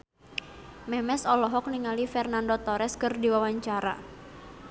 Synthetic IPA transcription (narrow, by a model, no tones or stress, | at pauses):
mɛmɛsɔlɔɦɔk̚niŋalifɛrnandɔt̪ɔɾɛskɨrdiwawaɲt͡ʃaɾa̰